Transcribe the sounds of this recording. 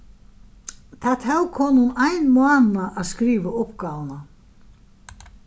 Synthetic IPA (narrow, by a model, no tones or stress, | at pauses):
θʰat̪ʰawkʰɔːnhʊnajnmaːnaʔːðskɾiːvaʊpkaːvna